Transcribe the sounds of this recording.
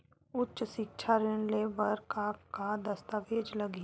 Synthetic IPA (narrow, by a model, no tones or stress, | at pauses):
ʊtːʃʃɪk̚t͡ʃʰaɾɪnleʋəɾkakad̪əst̪aʋeːd͡ʒləɡi